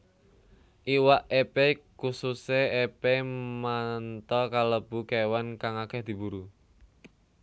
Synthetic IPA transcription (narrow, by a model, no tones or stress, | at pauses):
ʔiwaʔepekususeepemant̪ɔkaləb̥ukɛwankaŋakɛhd̪̥i̤buɾu